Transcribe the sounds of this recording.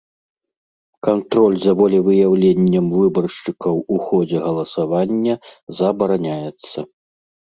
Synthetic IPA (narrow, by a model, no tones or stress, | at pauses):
kant̪ɾɔlʲzɐvɔlʲɛvɨjawlʲenʲːɐmvɨbɐrʂt͡ʂɨkɐwuxɔd͡zʲɛɣɐlˠɐsavanʲːɐzɐbɐɾanʲajɛt̪sːɐ